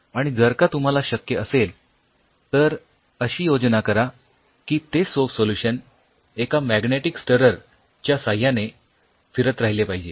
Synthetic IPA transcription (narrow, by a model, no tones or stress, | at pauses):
aɽ̃id͡zəɾkat̪um̤alaɕəkjəʔəsel | t̪əɾ | əɕiːjod͡znakəɾa | kiːt̪esofsoljuɕən | ekamæɡneʈiksʈəɾəɾ | t͡ɕjasajane | fiɾət̪ɾaɦilepaɦid͡ʑe